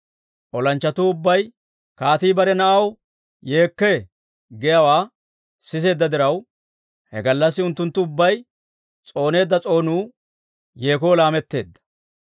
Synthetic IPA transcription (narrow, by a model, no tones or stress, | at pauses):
ʔɔlɐnt͡ʃːɐt̪uːʊbːɐj | kaːt̪iːbɐɾɛnɐʔɐw | je̞ːkːe | ɡɛjɐwaː | sɪs̬e̞ːd̪ːɐd̪ɪɾɐw | hɛ̰ɡɐlːɐsːɪʊnt̪ːʊnt̪ːʊʊbːɐj | t͡sʼo̞ːne̞ːd̪ːɐt͡sʼo̞ːnuː | je̞ːkoːlaːmɛt̪ːe̞̰ːd̪ːɐ̥